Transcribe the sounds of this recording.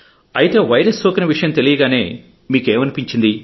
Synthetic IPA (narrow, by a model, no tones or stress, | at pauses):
ɐjit̪e̞ːʋɐjɾɐsːoːkinɐʋiʂɐjɐmt̪e̞lijɐɡaːne̞ː | miːkeːmɐnipiɲt͡ʃind̪i